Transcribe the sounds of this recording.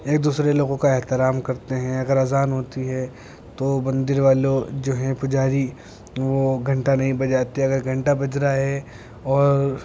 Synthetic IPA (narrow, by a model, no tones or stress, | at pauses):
eːk̚d̪uːsɾeloːɡõkaɛɦt̪ɪɾaːmkɐɾt̪eɦɛ̃ɐɡəɾɐzaːnɦoːt̪iɦɛ | t̪obɐ̃nd̪ɪɾʋaːlod͡ʒoːɦɛ̃pʊd͡ʒaːɾi | ʋoɡʱɐ̃ɳʈanɐɦĩbɐd͡ʒaːt̪iɛɐɡəɾɡʱɐ̃ɳʈabɐd͡ʒɾaɦɛ | ɔːɾ